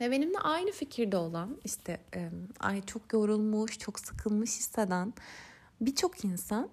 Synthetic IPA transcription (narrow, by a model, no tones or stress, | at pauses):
ebe̞nimd̪ɛ̰ʔajnɯficʰiɾd̪ɛo̞lˠaniʃt̪ʰɛma̰jt͡ʃʰo̞kjo̞ɾulˠmuʃt͡ʃʰoksɯ̥kʰɯlˠmɯʃhisad̪æn | bit͡ʃʰo̞kʰinsan